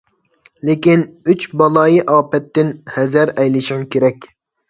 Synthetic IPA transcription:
lɪkʲinyt͡ʃbɑlˠɑːjiʔɑːpɛt̪ːɪnhɛzæɾɛjlɪʃɪŋkʲʰeɾɛkʲ

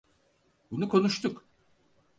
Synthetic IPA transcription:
bunukʰo̞nuʃt̪ʰuk

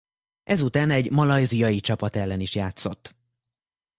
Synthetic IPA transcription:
ʔɛzut̪aːnɛɟmɒlɒjzijɒjit͡ʃɒpɒt̪ɛlːɛniʃjaːt̪so̞t̪ː

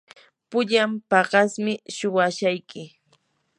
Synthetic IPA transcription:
pʊʎampɑɢɑsmɪʃʊwaʃajkɪ

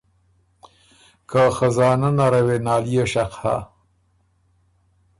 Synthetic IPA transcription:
kaxazɑːnanaɾawenɑːlijeʃaqha̰

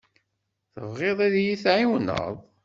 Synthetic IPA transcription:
θəvʁeðˤiðjiθʕiwnə̰ðˤ

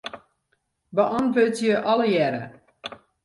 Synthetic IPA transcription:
bəʔɑntvøtjəʔɑləjɛɾə̰

